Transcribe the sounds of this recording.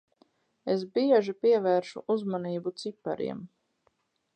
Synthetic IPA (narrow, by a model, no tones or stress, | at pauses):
es̬biɛʒipiɛvɛːɾʃṵʔuzmaniːbut̪sipːa̰ɾḭɛm